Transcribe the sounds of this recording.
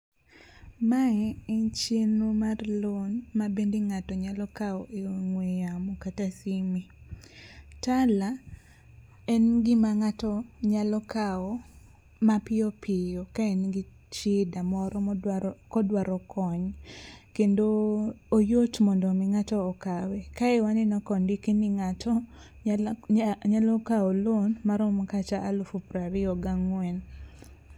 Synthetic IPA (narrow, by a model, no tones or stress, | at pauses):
maŋɛɛnt͡ʃenumarlonmabendiŋatɔɲalɔkaɔʔeoŋwejamɔkatasimi | tala | ɛnɡɪmaŋatɔɲalɔkaɔ | mapɪɔpʰɪjokaɛnɡi | t͡ʃɪdamɔɾɔkɔdwaɾɔkʰɔɲkendoː | jotmɔndɔmɪŋatɔːkawekaɛwanɪnɔkɔndikiniŋatʰɔ | ɲalɔkaolonmaɾomkat͡ʃaʔːlofupɾaɾɪɔɡaŋwɛn